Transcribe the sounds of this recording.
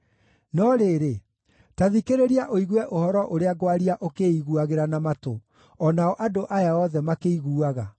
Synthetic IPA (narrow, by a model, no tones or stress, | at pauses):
nɔɾeɾe | taðikeɾeɾiaʔoiɣwɛʔohɔɾɔʔoɾeaɡwaɾiaʔokeiɣuaɣeɾanamato̰ | ɔnaɔʔadoʔajaɔðɛmakeiɣuaɣa